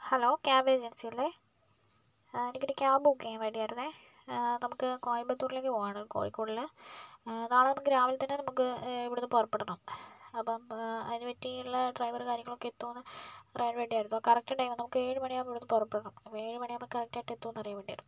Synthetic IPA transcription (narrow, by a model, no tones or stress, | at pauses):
hɐloːkʲaːbeːd͡ʑensijɐlːe | enikʲːuɾɨkʲːaːbukːeːmʋeːɳɖijaːjiɾunːe | nɐmukːɨkoːjibɐt̪ːuːɽileŋɡilpoːjaɳɐko̰ːrikʲːoːɽilɨ | ɐðaːɳɨnɐmukːɨɾaːmɐlt̪ɐnːenɐmukːɨiʋiɽunːɨpurɐpːeɽɐɳumɐpːɐmɐðinːɨʋɐtːiuɭːɐɖrɐjʋɐrkaːɾjɐŋːɐɭokːet̪ːuʋɐnːɨrejɳɖʋeɳɖijaːjɾunːkɐrɐk̚tɐʈɐjmnɐmukːɨeːɻɨmɐɳijamiʋiɽunːɨpurɐpːeɽɐɳumeːɻɨmɐɳiɐmɐkːɐrɐk̚ʈːaːʈːet̪ːuːnːɐrijɐmʋeɖia̰ːjɾunːu